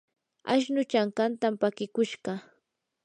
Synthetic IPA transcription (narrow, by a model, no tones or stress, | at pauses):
a̰ʃnʊt͡ʃaŋkant̪ampakɪkʊʃɢɑ